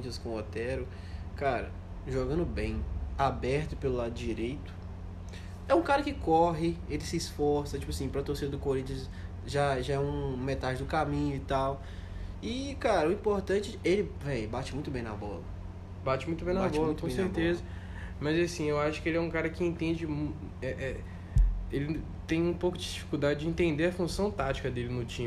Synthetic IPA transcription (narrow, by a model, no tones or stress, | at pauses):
ĩt͡ʃiɐskõot̪ɛɾʊ | kaɾɐ̰ | ʒoɡɐ̃nd̪ʊbẽj̃abɛɾt̪ʊpelʊlad̪ʊd͡ʒiɾejt̪ʊ̥ | ɛũkaɾɐkɪkɔɦɪelɪsɪːsfɔɾsɐt͡ʃi̥pʊasĩpɾɐt̪oɾsid̪ɐd̪ʊkoɾĩnt͡ʃiɐs | ʒaʒaɛũmet̪ad͡ʒɪd̪ʊkamĩɲʊɪt̪aw | ɪkaɾɐuĩpoɾt̪ɐ̃t͡ʃɪelɪvɛjbat͡ʃɪmũj̃t̪ʊbẽj̃nɐ̰bɔ̰lɐ | bat͡ʃɪmũjt̪ʊbẽj̃nabɔlɐ̃kkõsseɾt̪ezɐ | mɐzasĩewaʃʊ̥kɪelɪɛũkaɾɐkɪẽnt̪ẽd͡ʒɪm | ɛʔɛ | elɪ | t̪ẽj̃ũpowkʊd͡ʒɪd͡ʒifi̥kud̪ad͡ʒɪd͡ʒɪĩnt̪ẽnd̪eɾɐfũsɐ̃w̃t̪at͡ʃi̥kɐd̪elɪnʊt͡ʃĩ